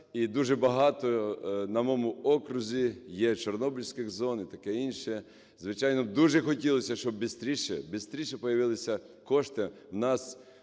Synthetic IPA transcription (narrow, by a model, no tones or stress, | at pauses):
id̪uʒɛbɐɦɑt̪ɔnɐmɔmʊɔkɾʊzʲijɛt͡ʃɔrnɔbʲilʲsʲkɪɣzɔnit̪ɐkɛinʃɛ | zʋɪt͡ʃɑjnɔd̪uʒɛxɔtʲilˠɔsʲɐʃt͡ʃɔbbʲɪst̪ɾʲiʃɛ̰bɪst̪ɾʲiʃɛpɔjɐʋɪlˠesʲɐ | kɔʃt̪ɪwnɑs